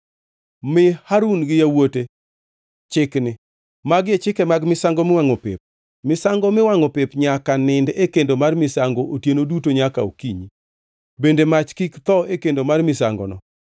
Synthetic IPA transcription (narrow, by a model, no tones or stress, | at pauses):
mɪhaɾunɡɪjawote | t͡ʃɪknɪ | maɡjet͡ʃɪkɛmaɡmɪsaŋɡɔmɪwaŋopḛp̚ | mɪsaŋɡɔmɪwaŋɔpepɲakanɪndekendomarmɪsaŋɡoʔotjenodutoɲaka̰o̰kiɲi | bendemat͡ʃkikt̪ɔekendomarmɪsa̰ŋɡɔ̰nɔ̰